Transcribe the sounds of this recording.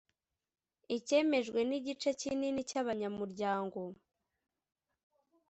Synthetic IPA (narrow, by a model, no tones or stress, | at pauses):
ice̞ːme̞ʒɡwe̞niɟit͡ʃecininicaβaɲamuɾɟaːŋɡo̞